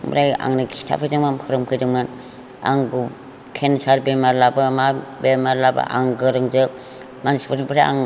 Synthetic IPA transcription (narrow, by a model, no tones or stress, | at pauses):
mɾaja̰ŋnɯkʰi̥tʰa̰pʰɯjdɯŋmamkʰɯɾɯmkʰɯjdɯŋman | a̰ŋɡu | kʰensaɾbemaɾlabɯmabemaɾlaba̰ʔa̰ŋɡɯɾɯŋzɯ | manspʰɯɾipʰɯɾaja̰ŋ